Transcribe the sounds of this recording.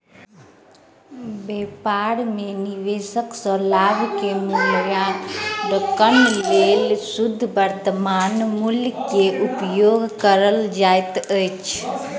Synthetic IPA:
bepaɾmeniʋesəksə̃labkemulɾjaɖəkənlelsud̪ʱːbəɾt̪əmanmuljkeʔupjoɡkəɾəld͡ʒajt̪əjt͡ʃʰ

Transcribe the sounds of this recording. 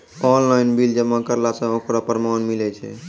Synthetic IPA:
ɔnlajnbild͡ʒəmːakəɾlasə̃okɾapəɾmanmilɛt͡ʃʰɛ̰

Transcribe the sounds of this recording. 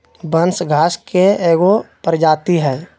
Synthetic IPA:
bənsɡʱaːskeeːɡopəɾd͡ʒaːt̪iɦɛː

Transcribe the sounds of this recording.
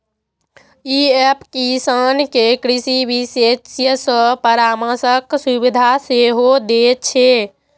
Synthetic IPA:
iɛpkisankekɾisibisesjəsə̃pəɾaməsəksubid̪ʱaseɦod̪et͡ʃʰe

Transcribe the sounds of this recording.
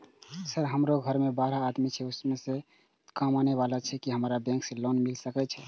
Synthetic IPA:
səɾɦəmɾoɡʱəɾmebaɾaːd̪mit͡ʃʰɛusmese | kamaneʋalat͡ʃʰɛkiɦəmɾabɛ̃ŋksẽlonmilsəkɛt͡ʃʰɛ

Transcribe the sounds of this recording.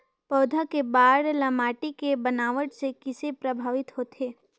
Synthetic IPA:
pɐːd̪ʱakebaːɽlɐmaːʈikebənaːʋəʈsekɪsepɾəbʱaːʋɪt̪ɦoːt̪eː

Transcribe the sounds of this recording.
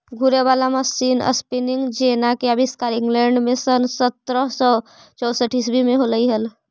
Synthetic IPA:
ɡʱuɾeβalaməsinə̰spiniŋɡd͡ʒenakeəbiskaɾiŋɡleɳɖmesənsət̪ɾəɦsɔ | t͡ʃɔwsəʈisbʱimeɦoləiɦəl

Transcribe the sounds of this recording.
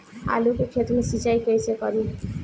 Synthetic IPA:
a̰lukekʰet̪unesit͡ʃajkejsekɔɾi

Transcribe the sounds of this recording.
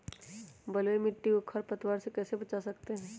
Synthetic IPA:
bɐləemɪʈːiokʰəɾpɐt̪waːɾsekɛːsebɐt͡ʃasɐkt̪eɦɛ̃ː

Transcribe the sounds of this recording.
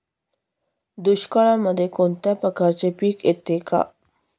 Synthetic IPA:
d̪uɕkəɭaməd̪ʱːjekont̪japɾəkaɾt͡ɕepiːket̪ːeka̰

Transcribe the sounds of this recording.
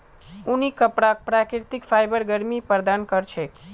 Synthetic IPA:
unikəpɽak̚pɾakɾiɾt̪ikfʰajbəɾɡəɾmipəɾd̪ankəɾt͡ʃʰɛk

